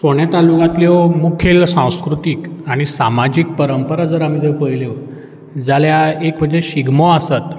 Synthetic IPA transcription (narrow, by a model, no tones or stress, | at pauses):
soɽ̃et̪alukãt̪leʋmukʰelsãw̃skɾut̪ikaɽ̃isamad͡ʑik̚pəɾəmpəɾad͡zəɾam̤id̪eʋpəjleʋ | d͡zaljaek̚bəd̪eɕiɡʱmoasat̪